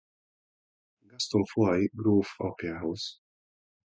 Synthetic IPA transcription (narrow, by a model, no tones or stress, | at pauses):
ɡɐst̪ɔmfɔjɡɾuːfɔ̰pjɐhɐws